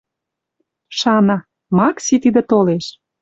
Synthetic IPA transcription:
ʃɑnɑ | mɑksit̪id̪ĕt̪oleʃ

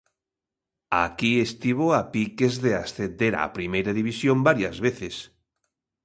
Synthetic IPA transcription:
a̰kiest̪iβ̞oapikezðeasθend̪eɾa̰pɾimejɾaðiβisjombaɾjazβeθes

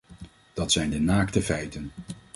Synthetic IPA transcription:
d̥ɑtsɛjndənaːktəvɛjtən

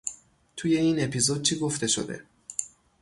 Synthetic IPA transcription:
t̪ʰuje̞iːne̞pʰizod̪̚t͡ʃʰiːɡo̞ft̪e̞ʃo̰d̪ḛ

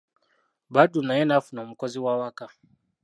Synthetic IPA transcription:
badunajɛnafunam̩kɔziwawaka

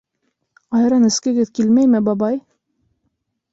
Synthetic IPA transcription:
ɑjɾɑnɘ̆skɘ̆ɡɘðkilmæjmɘbɑbɑj

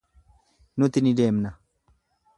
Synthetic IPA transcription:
nʊt̪ɪnɪd̪e̞ːmnɐ

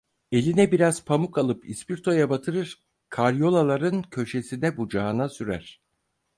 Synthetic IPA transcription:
e̞lʲinɛbiɾaz̥pʰamukalˠɯpʰispiɾt̪ʰo̞jabat̪ʰɯɾɯɾ̥ | kʰaɾjo̞lˠalˠaɾɯncʰø̞ʃesinɛbud͡ʒaɯnasyɾæ̰ɾ̥

